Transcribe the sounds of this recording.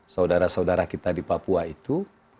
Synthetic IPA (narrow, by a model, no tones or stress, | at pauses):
saudaɾasaudaɾakit̪adipapuait̪u